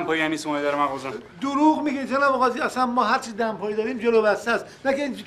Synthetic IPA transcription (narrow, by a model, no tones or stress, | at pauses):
mpʰɒːjiæniːsmɒed̪æɾemæɣɔzɔd̪oɾuːɣmiɡet̪ʰenæboɣɒːziæsænmɒːɦæɾt͡ʃʰid̪æmpʰɒːjid̪ɒːɾiːmd͡ʒeloːbæst̪æst̪nækʰeiːni